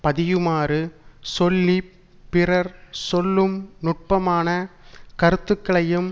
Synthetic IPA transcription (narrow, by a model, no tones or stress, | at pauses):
pɐðɪjɯmaːɾɯsɔlːi | pɪrɐɾsɔlːɯmnʊʈ̚pɐmaːnɐkɐɾɯt̪ːɯkːɐɭɐjɯm